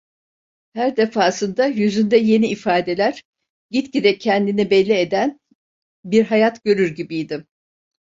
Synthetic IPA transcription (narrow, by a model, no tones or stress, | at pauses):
hæɾd̪e̞faːsɯnd̪ajyzynd̪ɛje̞niːfaːd̪e̞lʲæɾ̥ | ɟit̪cid̪ɛcʰɛnd̪inibɛlʲːied̪æn | biɾɦajat̪ɟø̞ɾyɾɟibijd̪ɪ